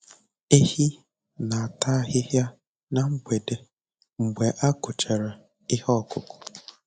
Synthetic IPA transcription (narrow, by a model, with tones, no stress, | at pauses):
e˦hi˦ | na˨a˨ta˦ɦɪ˦ɦja˦ | na˨ŋ͡m̩˦ɡ͡bʷe˨de˨ | ŋ͡m̩˨ɡ͡be˨ʔa˦kʊ˨t͡ʃe˨ɾe˨ | ɪ˦hɔ˦˨kʊ˨kʊ̥˨